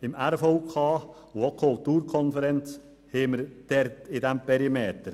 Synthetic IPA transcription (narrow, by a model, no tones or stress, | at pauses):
ɪmæɾfoʊkʰɑː | ʊokʰʊlt̪uːɾkʰɔnfəɾɛnt͡s | heːməɾd̥ɛɾtɪdæmpʰɛɾimeːt̪əɾ